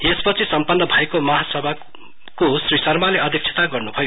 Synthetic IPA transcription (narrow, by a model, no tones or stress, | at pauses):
espʌt͡sʰisʌmpʌnːʌbʱajkomʌɦasʌbʱa | kosrisʌrmaleʌd̪ʱik̚t͡sʰe̥t̪aɡʌrnubʱʌjo